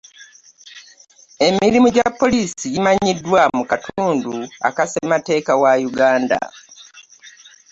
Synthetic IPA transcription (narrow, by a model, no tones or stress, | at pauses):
e̞miɾimuɟapːo̞liːsijimaɲidwamukatʰuːndua̰kasemate̞ːkawajuɡaːnda̰